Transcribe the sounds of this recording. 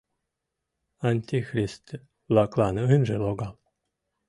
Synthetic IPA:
anʲt̪ʲixɾʲist̪ | lˠaklˠanɨnʒelˠoɡalˠ

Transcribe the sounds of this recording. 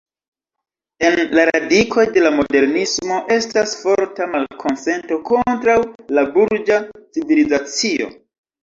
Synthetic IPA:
e̞nlaɾadikʰo̞jde̞lamo̞de̞ɾnismo̞ʔe̞stasfo̞ɾtamalkʰo̞nse̞nto̞ko̞ntɾawlabuɾd͡ʒat͡sivilizat͡sio̞̰

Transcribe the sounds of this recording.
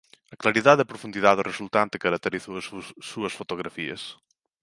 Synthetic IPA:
ɐklaɾiðaðɐpɾofũnd̪iðaðoresult̪ant̪e̥kɐɾɐk̚t̪eɾiθussuɐsfot̪oɣɾafiɐ̰s

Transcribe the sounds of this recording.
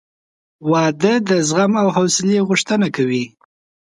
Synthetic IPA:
wɑd̪əd̪əzɣamawɦawsɪleɣʊʂt̪ənakawi

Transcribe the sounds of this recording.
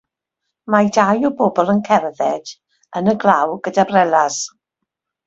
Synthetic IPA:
madajɔbɔbɔlˠənkʰɛrðɛd̥ | ənəɡlˠawɡ̥ədabrɛlˠas

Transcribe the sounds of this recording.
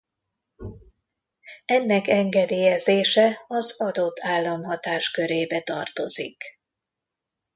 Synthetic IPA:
ɛnːɛkɛŋɡɛd̪eːjɛzeːʃɛɒzɒd̪o̞t̪ːaːlːɒmɦɒt̪aːʃkø̞ɾeːbɛt̪ɒrt̪o̞zḭk

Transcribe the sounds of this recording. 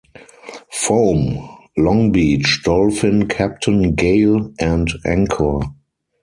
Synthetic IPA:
foʊmlɔ̃ŋbiːt͡ʃdɔlfɪ̃nkʰæp̚tʰə̃nɡeɪlʔæ̃ntʔæ̃ŋkʰə

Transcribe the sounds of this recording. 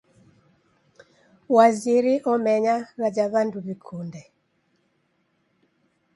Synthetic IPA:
waziɾɪʔɔmɛɲaɾad͡ʒaβanduβikʰundɛ

